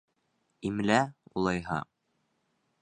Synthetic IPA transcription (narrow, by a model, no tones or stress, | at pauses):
imlæṵlˠɑjɦɑ̰